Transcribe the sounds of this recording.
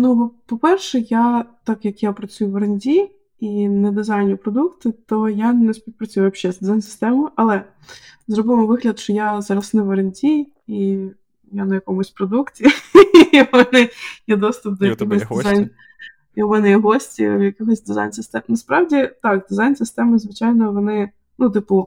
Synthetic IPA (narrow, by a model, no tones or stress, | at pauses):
nubpɔpɛrʃɛjat̪ɑkjɐkjapɾɐt͡sʲujʊʋɐɾɐnʲdʲi | inɛd̪ɪzajnʲʊpɾɔd̪ukt̪ɪt̪ɔjanɛspʲiwpɾɐt͡sʲujʊʋɐʃɛzd̪ɪzajnsɨ̥st̪ɛmʊjʊʔɐlˠɛ | zrɔbɪmɔʋɪɦlʲɐd̪ʃt͡ʃɔjazɑɾɐsnɪʋɐɾɐnʲdʲi | i | janɐjɐkɔmʊsʲpɾɔd̪uktʲiimɛnɪjɛd̪ɔst̪ʊp̚d̪ɔjɐkɪɦɔsʲd̪ɪzajn | iʊmɛnɪjɦɔsʲtʲḭwjɐkɪxɔzʲd̪ɪza̰jnsɨst̪ɛmnɐspɾɑwdʲit̪ɑkd̪ɪzajnsɨst̪ɛmɪzʋɪt͡ʃajnɔʋɔnɪ | nut̪ɪpʊ